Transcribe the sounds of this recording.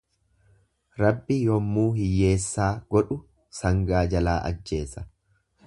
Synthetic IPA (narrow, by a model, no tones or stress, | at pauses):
ɾɐbːɪjɔmːuːhɪjːe̞ːsːaːɡ̥ɔᶑʊ | sɐŋɡaːd͡ʒɐlaːʔɐ̰d͡ʒːe̞ːsɐ̥